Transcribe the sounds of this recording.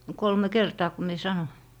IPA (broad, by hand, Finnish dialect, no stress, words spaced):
kolme kertɑː ku mie sɑnoĭ